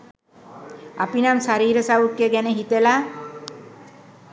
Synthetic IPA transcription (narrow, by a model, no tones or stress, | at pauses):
a̰pinamsaɾiːɾəsaukjəɡæneɦit̪ela